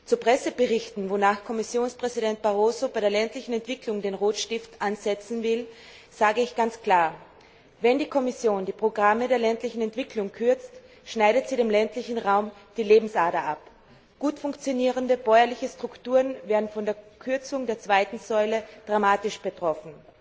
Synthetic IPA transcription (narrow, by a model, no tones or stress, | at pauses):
t͡supʁ̥ɛsəbəʁɪçtn̩vonaːxkʰɔmɪsjoːnspʁ̥ɛzidɛnt̚b̥aʁ̞oːzobaɪɾeːɐlɛntlɪçn̩ɛntv̥ɪklʊŋdeːnʁoːtʃtɪftʔanz̥ɛt͡sn̩vɪl | z̥aːɡəɪçɡ̥ant͡skʰl̥aːɐ | vɛndiːkʰɔmɪsjoːndiːpʁ̥oɡʁamədɾeːɐlɛntlɪçn̩ɛntv̥ɪkʰlʊŋkʰʏɐt͡st | ʃnaɪɾətz̥iːɾeːmlɛntlɪçn̩ʁaʊmd̥iːleːbm̩sʔaɐdɐʔap | ɡ̥uːtfʊŋkt͡sjoniːʁəndəb̥ɔʏɐlɪçəstʁ̥ʊktuːʁənveːɐdn̩fɔndeːɐkʰʏɐt͡sʊŋdeːɐt͡sv̥aɪtn̩zɔʏləd̥ʁamaːtɪʃb̥ətʁ̥ɔfn̩